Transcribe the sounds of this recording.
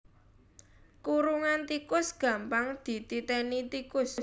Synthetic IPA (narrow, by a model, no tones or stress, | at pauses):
kuɾuŋant̪ikʊsɡ̥ä̤mpaŋd̪̥i̤t̪it̪ɛnit̪ikʊs